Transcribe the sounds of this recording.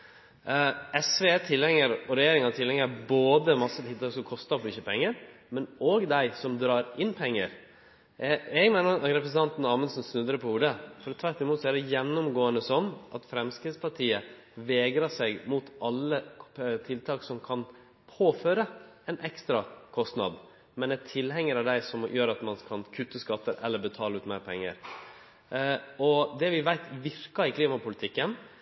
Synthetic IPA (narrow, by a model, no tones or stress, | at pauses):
ɛsʋet̪ʰɪlːɛŋːəɾɔɾɛjeːɾɪŋɑt̪ʰɪlɛŋəɾboːd̪əmɑsːət̪ʰɪlt̪ʰɑːksɔmkʰɔst̪ɑpʰɔɪçəpʰɛŋːəɾmɛnoːɡd̪æɪsɔmd̪ɾɑːɾɪnːpʰɛŋːə̰ɾ | ɛɡmeːnəɾɑɾɛpʰɾəsən̩t̪ɑnt̪nɑɾmənsn̩snʉd̪ɾəpʰɔhuːɖəfɔɾt̪ʰʋæɾʈːɪmuːt̪sɔæɖɛjɛnːʊmɡoːənəsɔnːʔɑt̪fɾɛmskɾɪːt̪spʰɑʈʰiːə | ʋeːɡɾɑsɛɡmut̪ʔɑlːət̪ʰɪlt̪ʰɑːksɔmkʰɑn | pʰoːføːɾə | ɛnʔɛkst̪ɾɑkʰɔst̪nɑ̰d̪ | mɛnæʈʰɪlɦɛŋːəɾɑʋd̪æɪsɔmjøːɾɑt̪mɑnkʰɑnkʰʉt̪ːəskɑt̪ːəɾɛ̰lːəɾbət̪ʰɑːləʉːt̪mæɪɾpʰɛŋːə̰ɾ | ɔd̪ɛʋɪʋæɪt̪ʋɪɾkɑɪkʰliːmɑpʊlɪt̪ʰɪkːən